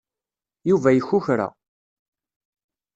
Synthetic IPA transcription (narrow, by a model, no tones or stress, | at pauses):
juvæjəçːʊçɾa̰